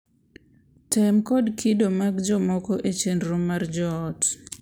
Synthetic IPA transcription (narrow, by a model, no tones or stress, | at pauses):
tɛmkɔdkʰidomaɡd͡ʒɔmɔkɔʔet͡ʃenɾomːard͡ʒɔːt